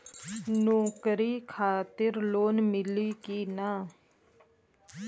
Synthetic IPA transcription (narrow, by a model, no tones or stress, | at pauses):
nõːkɾiːkʰaːt̪ɪɾloːnmɪliːkiːnaː